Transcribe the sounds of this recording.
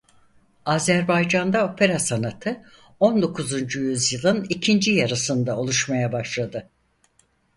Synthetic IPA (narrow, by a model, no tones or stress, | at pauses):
aːzæɾbajd͡ʒand̪ao̞pʰe̞ɾasanat̪ʰɯ | o̞nd̪o̞kʰuzund͡ʒujyzjɯlˠɯnicʰind͡ʒijaɾasɯnd̪ao̞lˠuʃmajabaʃlˠad̪ɯ